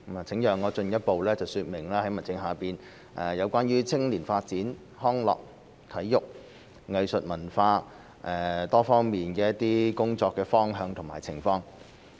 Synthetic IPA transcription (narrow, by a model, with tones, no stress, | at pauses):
aː˨˩t͡sʰɪ˨˥ŋjœː˨˩ŋːɔː˨˧t͡ʃɵ˧njɐ˥t̚po˨wlɛː˥t͡sɐ˨wsyː˧t̚mɪ˨˩ŋlaː˥hɐ˨˥jmɐ˨nt͡sɪ˧ŋɦaː˨piː˨n | ʔɛː˨jɐ˨˧wkʷaː˥nɥyː˥t͡sʰɪ˥ŋliː˨˩nfaː˧t̚t͡siː˨˥n | hɔː˥ŋlɔ̰ː˨k̚ | t̪ʰɐ˨˥jːʊ˨k̚ | ŋɐ˨jsɵ˨t̚mɐ˨˩nfaː˧ | ʔɛː˨˩t̪ɔː˥fɔː˥ŋmiː˨nkɛː˧jɐ˥t̚t̪iː˥kʊ˥ŋt͡sɔː˧kːɛː˧fɔː˥ŋɦœː˧ŋt̪ʰʊ˨˩ŋma̰ː˨˩jt͡sʰɪ˨˩ŋfɔː˧ŋ